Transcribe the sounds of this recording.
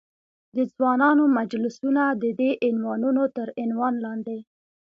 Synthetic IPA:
d̪əzwɑnɑnomad͡ʒlɪsunad̪əd̪eʔɪnwɑnunot̪əɾɪnwɑnlɑnd̪e

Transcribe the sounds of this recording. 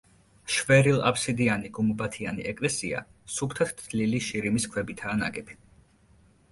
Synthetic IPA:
ʃvɛɾilˠa̰psid̪ianiɡumbat̪ʰianḭʔɛkʼlɛsia̰supʰt̪ʰat̪ʰt̪liliʃiɾimiskʰwɛbit̪ʰaːna̰ɡɛbʰi

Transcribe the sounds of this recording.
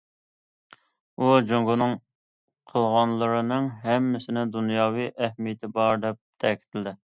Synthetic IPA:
ud͡ʒoŋɡunɨŋ | qʰəlˠʁɑnlˠəɾɨnɨŋɦɛmːɪsɪnɪd̪unjɑːwijʔɛhmijɪt̪ʰɪbɑɾd̪ɛp̚t̪ʰɛkʲi̥t̪ʰɪlɪd̪ɪ

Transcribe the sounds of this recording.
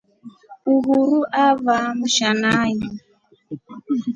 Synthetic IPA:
uɦuɾuʔavamuʃanajɔ

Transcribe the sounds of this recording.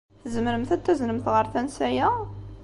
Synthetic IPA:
θəzməɾəmθæt̪ːæznəmt̪ʁəɾˤθænsæjæ

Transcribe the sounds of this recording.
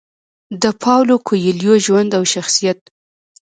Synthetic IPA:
d̪əpʰɑwlokʰojeljoʒwand̪awʃaxsijat̪̚

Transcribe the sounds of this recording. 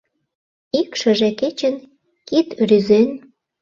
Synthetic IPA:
ikʃə̆ʒĕket͡ɕə̆n | kit̪ryzen

